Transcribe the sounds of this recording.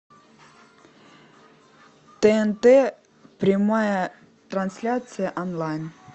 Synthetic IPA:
t̪ɛɛnt̪ɛ | pɾʲɪmajə | t̪ɾɐnsʲlʲat̪sɨjəʔɔnlˠajn

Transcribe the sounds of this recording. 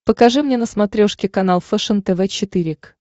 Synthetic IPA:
pəkɐʐɨmnʲenəsmɐt̪ɾʲoʂkʲɪkɐnalˠfɛʂənt̪ɛvɛt͡ɕɪt̪ɨɾʲɪk

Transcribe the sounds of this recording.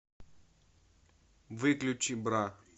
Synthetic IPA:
vɨklʲʊt͡ɕibɾa

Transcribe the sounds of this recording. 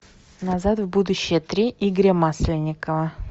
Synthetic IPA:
nazat̪vbud̪ʊɕːɪjət̪ɾʲiʔiɡɾʲəmaslʲɪnʲːɪkəvə

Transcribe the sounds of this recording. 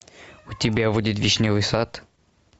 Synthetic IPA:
ʊt̪ʲɪbʲavudʲɪt̪vʲiʃnʲɪvɨjsat̪

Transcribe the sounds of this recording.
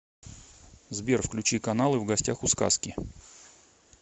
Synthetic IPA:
zbʲerfklʲʉt͡ɕikɐnalˠɨvɡɐsʲtʲaxʊska̰skʲɪ

